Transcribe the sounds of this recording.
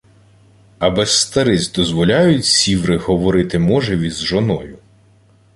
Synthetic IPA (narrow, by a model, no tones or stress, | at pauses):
ɐbɛst̪ɐɾɪzʲd̪ɔzʋɔlʲajʊtʲsʲiʋɾɪhɔʋɔɾɪt̪ɪmɔʒɛʋʲizʒɔnɔjʊ